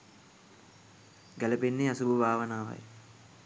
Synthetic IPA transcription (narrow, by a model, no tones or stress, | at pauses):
ɡælɐpenːeasububʱaːʋənaːʋɐ̰j